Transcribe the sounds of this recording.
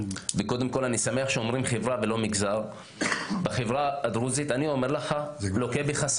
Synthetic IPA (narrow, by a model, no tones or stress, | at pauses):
veko̞d̪emko̞lanisame̞aχʃeomʁimχevʁavelo̞miɡzaʁ | baχevʁaad̪ʁuzit̪anio̞meʁlaχalokebiχas